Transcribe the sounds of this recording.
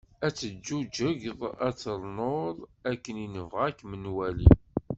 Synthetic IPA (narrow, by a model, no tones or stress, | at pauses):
æt͡sːəd͡ʒːud͡ʒəʝðˤæt͡sːəɾˤnoɾˤækːəninəvʁækːmənwælḭ